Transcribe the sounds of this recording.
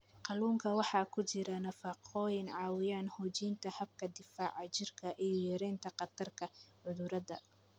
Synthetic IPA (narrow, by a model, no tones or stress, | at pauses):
qɑluːŋkʰɐwɑħɑːkʰʊt͡ʃɪɾɐnɐfɑqʰɔːjɪnʕɑːwɪjaːnhɔːt͡ʃiːnt̪ʰɐhɐb̚kʰɐd̪ɪfaːʕɑt͡ʃɪrkʰɐʔijɔjɛɾɛːnt̪ʰɐqɑt̪ʰɐrkʰɐʕʊðʊɾɐd̪ɐ̰